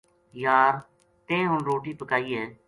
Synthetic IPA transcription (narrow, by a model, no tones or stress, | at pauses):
jaːɾ | t̪ẽːɦʊnɾoːʈiːpəkaːiːeː